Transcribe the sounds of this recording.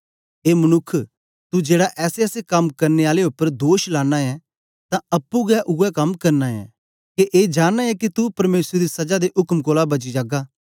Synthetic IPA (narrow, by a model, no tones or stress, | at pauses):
eːmɐnʊkʰː | t̪ud͡ʒeːɽaʔɛːseɛːsekɐmkɐɾneaːleʊpːəɾd̪oːʃlaːnaɛ | t̪ãɐpːuɡɛʔʊɡɛkɐmkɐɾnaɛ̰ | keʔeːd͡ʒaːnːaɛkit̪upɐɾmeːsɾed̪isɐd͡ʒad̪eʔʊkmkoːlabɐd͡ʒid͡ʒaːɡaː